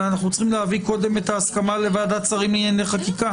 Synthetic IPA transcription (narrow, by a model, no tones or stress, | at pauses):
anaχnut͡sχimleaviko̞d̪e̞me̞t̪aːskamale̞vaːd̪at͡saʁimlineneχakika